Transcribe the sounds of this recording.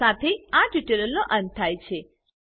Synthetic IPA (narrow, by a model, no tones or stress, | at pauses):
at̪ʰeaʈiʈeləlnoʔə̃n̚t̪ʰːajt͡ʃʰe